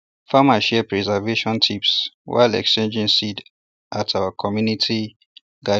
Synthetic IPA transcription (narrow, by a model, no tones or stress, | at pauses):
famaʃɛpɹɛzaveʃɔ̃ntʰipswa̰ɪlɛ̰kst͡ʃẽnd͡ʒĩnsid | ʔatʰawakʰɔmjunitʰi | ɡa